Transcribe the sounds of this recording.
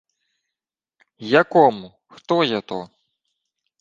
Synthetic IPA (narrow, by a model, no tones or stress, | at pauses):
jakɔmu | xt̪ɔjat̪ɔ